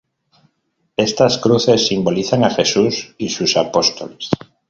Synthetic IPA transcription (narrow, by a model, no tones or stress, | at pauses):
est̪askɾuθe̞sːimboliθaŋaxesusisusapost̪oles